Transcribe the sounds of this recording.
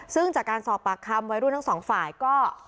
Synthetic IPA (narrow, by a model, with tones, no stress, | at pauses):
sɯ˥˩ŋt͡ɕaː˨˩kːaː˧nsɔː˨˩pːaː˨˩kʰːa˧mwa˦˥jɾu˥˩mt̪ʰŋsɔː˩˦ŋfaː˨˩jkɔː˥˩